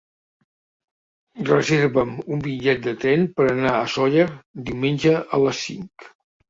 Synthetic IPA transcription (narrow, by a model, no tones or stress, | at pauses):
rəzeɾβəmumbiʎʎɛt̪̚d̪ət̪ɾɛnpəɾənaəsɔʎəɾd̪iwmenʲd͡ʒəʔələsːḭŋk